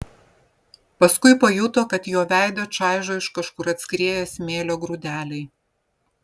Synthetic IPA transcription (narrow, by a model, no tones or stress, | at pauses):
pɐskʊɪpɐjʊt̪oːkɐt̪joːʋʲæˑɪd̪oːt͡ʃɑˑɪʒoːɪʃkɐʃkʊɾɐt̪ʲsʲkɾʲeːjɛsʲmʲeːlʲoːɡɾud̪ʲæːlʲɛɪ